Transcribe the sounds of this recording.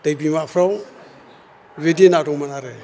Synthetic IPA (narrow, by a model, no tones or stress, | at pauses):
tajbimapʰɾaw | βedienaduŋmanaɾe